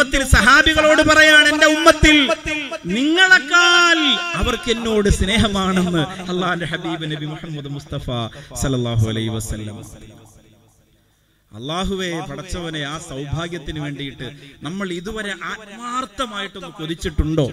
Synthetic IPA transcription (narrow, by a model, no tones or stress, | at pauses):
ɐt̪ːilsɐɦaːbiɣɐɭo̞ːɽɨpɐrɐjaːɳe̞nde̞umːɐt̪ːil | niŋːɐɭekːaːlɐʋɐrke̞nːo̞ːɽɨsne̞ːɦɐmaːɳenːɨɐlˠːaːhndeħɐbiːbɨnɐbimuħɐmːɐd̪must̪ɐfaːsɐlːɐlːaːɦuɐ̰lɐ̰ɦuʋɐsɐlːɐ̰m | ɐ̰lːaːɦuʋe̞ʋɐɽɐt͡ɕːɐʋɐneaːsɐwbʱaːɡjɐt̪ːinuʋe̞ːɳɖijiʈːɨnɐmːɐɭiðuʋɐɾe̞ʔaːt̪̚maːrt̪ːɐmaːjiʈːenːɨkoðit͡ɕːiʈːuɳɖo̞ː